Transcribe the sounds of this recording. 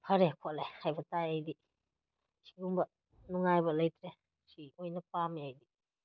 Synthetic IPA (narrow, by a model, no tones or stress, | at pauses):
pʰɐɾekʰolehajbɐtajajdi | si̥ɡuŋbɐ | nuŋajbɐlɐjtɾe | siojnɐp̚amiajdi